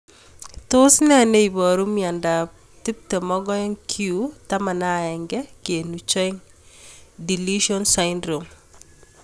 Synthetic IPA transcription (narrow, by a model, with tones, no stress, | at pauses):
to˦snɛ˦ne˦ibɔ˨ɾu˦mia˨nda˨ | ti˦p̚tɛ˨mɔɡɔ˦ɛ˦ŋkʰjutama˨na˦ɛŋɡɛke˨nut͡ʃɔ˦iŋ | di˨liʃɔnsaindɾom